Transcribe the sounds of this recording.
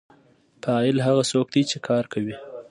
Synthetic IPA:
paɑɪlɦaɣasok̚d̪it͡ʃekʰɑɾkʰawi

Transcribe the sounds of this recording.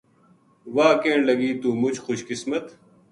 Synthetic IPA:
waːkeːɳlɐɡiːt̪uːmʊd͡ʑxʊɕkɪsmɐt̪

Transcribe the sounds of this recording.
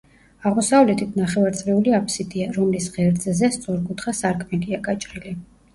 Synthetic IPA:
aʁmɔsavlɛt̪ʰit̪ʰnaχɛvaɾt̪sʼɾɛuliapʰʼsit̪ʼiaɾɔmlisʁɛɾd̪zzɛst̪sʼɔɾkʼut̪ʰχasaɾkʰmɛɡʼiaɡat͡ʃʼɾili

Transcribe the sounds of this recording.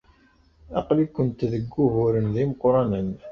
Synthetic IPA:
ɑ̰qlikʷːənt̪ðəɡːuɦʊɾənðiməqːɾˤɑnən

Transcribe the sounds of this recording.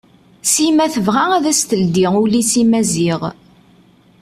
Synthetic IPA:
simæθəvʁaæðæst̪əld̪iʊlisimæziʁ

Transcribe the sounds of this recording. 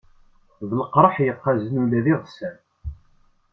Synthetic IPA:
ðələqɾˤəħjəqːazənulæðiʁsæn

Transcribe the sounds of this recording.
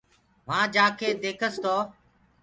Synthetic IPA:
ʋãːd͡ʒãːkʰeːd̪eːkʰəst̪oː

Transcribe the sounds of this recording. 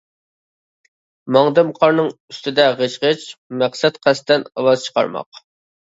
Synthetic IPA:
mɑŋd̪ɨmqʰɑɾnɨŋyst̪ɪd̪ɛʁeʃʁət͡ʃmæqsɛt̪qʰæst̪ɛnɑ̰lɑzt͡ʃʰə̥qɑ̰ɾmɑ̰q

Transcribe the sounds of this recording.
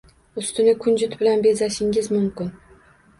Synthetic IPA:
ʊst̪ɪnɪkʰʊnd͡ʒʊt̪bɪlanbe̞zaʃɪŋɪzmʊmkʲɪn

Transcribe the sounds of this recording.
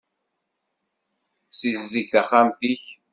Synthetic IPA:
sizziçθæχːæmθiç

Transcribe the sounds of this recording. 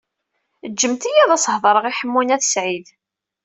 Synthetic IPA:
əd͡ʒːəmt̪ijæðˤæshðˤəɾˤəʁiħəmːunæðəsʕið

